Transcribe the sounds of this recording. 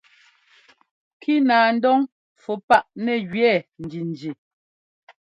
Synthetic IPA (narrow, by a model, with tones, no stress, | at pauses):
kʰi˦naː˨n̩˦dɔ˦ŋ | fu˨pa˦ʔnɛ˨ɣɥɛ˦˨n̩˨d͡ʒi˨n˨d͡ʒi˨